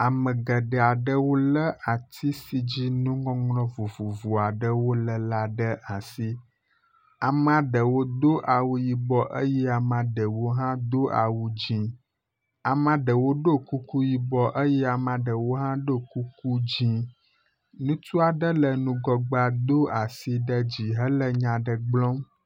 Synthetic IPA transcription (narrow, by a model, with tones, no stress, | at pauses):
a˨mə̃˨ɡə˨ɖə˨a˨ɖə˦wo˦lə˦ʔa˨t̪ʰi˦si˦d͡ʑi˦nũ˦ŋɔ̃˦ŋlɔ̃˦vu˨vu˨vu˨a˨ɖə˦wo˦lə˦la˦ɖə˦ʔa˨si˦ | a˨m˨a˨ɖə˨wo˦d̪o˦ʔa˨wu˦ji˨bɔ˦ʔə˦jɛ˦a˨mã˨ɖə˨wo˦ɦã˦d̪o˦ʔa̰˨wu˦d͡ʑĩ˦ | a˨mã˦ɖə˨wo˦ɖo˦ku˦ku˦ji˦bɔ˦ʔə˦jɛ˦a˨mã˨ɖə˨wo˦ɦã˦ɖo˦˨ku˦ku˦d͡ʑĩ˦ | nũ˦t̪u˦a˨ɖə˦lə˨nũ˦ɡɔ˦ɡ͡ba˦d̪o˦a˨si˦ɖə˦d͡ʑi˨ɦə˦lə˦ɲã˨ɖə˨ɡ͡blɔ̃˦m